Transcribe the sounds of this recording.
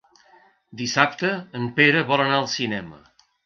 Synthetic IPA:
d̪isap̚t̪əːmpeɾəβɔlənaəlˠsinɛmə̰

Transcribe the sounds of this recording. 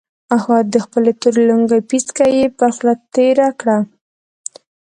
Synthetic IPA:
ahwɑd̪̚d̪əxpəlet̪oɾluŋɡapiskajepaxlat̪ːeɾakɽa

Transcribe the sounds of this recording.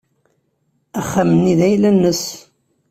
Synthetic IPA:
æχːæməniðæjlænːəs

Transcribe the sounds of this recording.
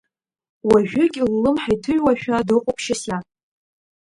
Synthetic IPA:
waʒᶣʊɡʲɪlːɨmħajtʰɨɥwaʃᶣadɨqʼʊpʰʃɪsa

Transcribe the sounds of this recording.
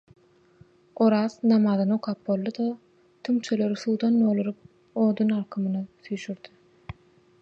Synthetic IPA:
oɾɑːznɑmɑðɯnoqʰɑːp̚bo̞lˠːɯd̪o | t̪ʰymt͡ʃʰøløɾiθuːd̪ɑnːoːlˠuɾɯp̚ | o̞ːd̪unɑɾqʰɯmɯnɯθyjʃyɾd̪i

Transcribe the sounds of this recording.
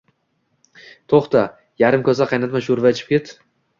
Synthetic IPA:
t̪ʰoχt̪a | jaɾɪmkʲʰɒzaqʰɑjnat̪maʃuɾvaet͡ʃʰɪ̥p̚kʲet̪

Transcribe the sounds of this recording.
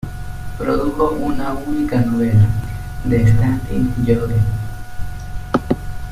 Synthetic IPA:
pɾoðuxoʔunaunikanoβela | d̪est̪at̪ḭnʝoðen

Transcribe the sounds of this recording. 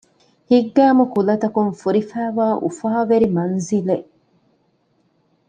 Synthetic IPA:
hiɡːæːmukulɐt̪ɐkunfuɾifæːʋaːʔṵfaːʋeɾimɐnzileʔ

